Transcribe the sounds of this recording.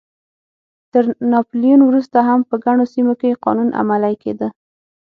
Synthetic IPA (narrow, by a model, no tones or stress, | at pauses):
t̪əɾnɑplijunwɾust̪aɦampəɡaɳ̃osimokeqɑ̰nunʔa̰malajkḛd̪ə